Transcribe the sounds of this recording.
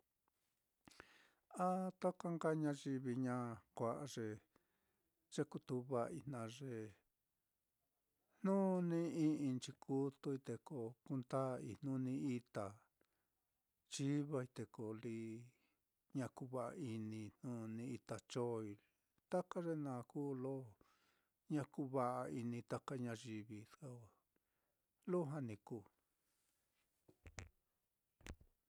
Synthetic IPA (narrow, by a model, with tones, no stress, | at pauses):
a˦t̪a˦ka˦ŋɡa˦˧ɲã˧ʒi˧βi˧ɲã˦kʷa˧˨ʔa˧ʐe˧ | ʐ̥e˦ku˧t̪u˧βa˧i˧nã˧ʐe˧ | n̥nũ˦nĩ˦ĩ˦ĩ˧nt͡ʃi˧kʰu˦t̪u˧i˧t̪e˧ko˧ku˧nt̪a˦˧i˧n̥ũ˦nĩ˧i˧t̪a˨ | t͡ʃi˦βa˧i˧t̪e˨ko˨li˧ | ɲã˧ku˧˦βa˧˨ʔa̰˧i˧nĩ˧nnũ˦˧nĩ˧i˧t̪a˨t͡ʃo˦i˧ | t̪a˦ka˦ʐe˦nã˨˧˨kuː˦lo˦ | ɲã˧ku˦βa˧ʔa˧i˧nĩ˧t̪a˦ka˦ɲã˧ʒi˧βi˧sa˧a˨ | lo˦ɦa˦nĩ˧kuː˧˨